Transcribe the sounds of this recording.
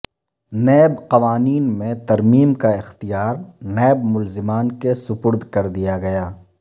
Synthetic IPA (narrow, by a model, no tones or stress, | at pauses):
nɛːbqɐʋaːniːnmẽt̪ɐɾmiːmkaɪxt̪ijaːɾnɛːbmʊlzɪmaːnkesʊpʊɾd̪ʱkɐɾd̪ijaɡɐjaː